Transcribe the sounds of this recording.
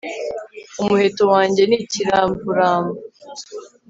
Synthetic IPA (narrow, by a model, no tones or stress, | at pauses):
umuhetowaːɲɟe̞niciɾaːmbuɾaːmbu